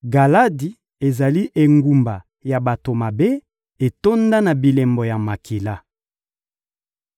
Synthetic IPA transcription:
ɡa˨la˦di˨ | e˨za˨li˦ʔe˨ŋɡu˨mba˨ | ja˨ba˨to˨ma˨be˦ | e˨to˦nda˦na˨bi˨lɛ˨mbɔ˨ja˨ma˨kʰi˨la˦

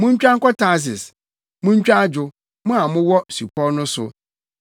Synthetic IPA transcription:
mʊ̃˦ɲ˦t͡ɕᶣã˦ŋ̩˦kɔ˦tʰa˨˦˨s̬ɪ˨s | mʊ̃˦ɲ˦t͡ɕᶣa˦d͡ʑʊ˨ | mʊ̃˦a˨mʊ̃˦wɔ˦su˨pʰɔ˦nʊ̃˦sʊ̰˨

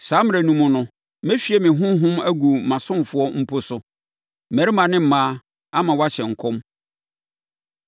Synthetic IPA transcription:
saː˨˦mɪ̃˦˨æ˨nũ˦mʊ̃˦nʊ̃˦ | me˦fi˨ɛ˦mɪ̃˨ɦʊ̃˦ɦʊ̃˦mæ˦ɡu˨mã˨sʊ̃˦mfʊ˦ɔ˦m̩˦pʰo˦sʊ˨ | mæ˨ɾi˦mã˨nɪ̃˦m̩˨˦mãː˦ | a˦mã˨wa˦ɕɛ̃˨ŋ̩˨kʰɔ̃˦m

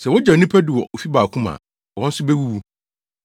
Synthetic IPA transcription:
sɛ˨wɔ˦d͡ʑa˨nĩ˦pʰæ˦du˨wɔ˨o˨fi˦baː˨kʰũ˦mã̰˨ | wɔ̃˦n̩˦sʊ˦be˦wu˦wu˦

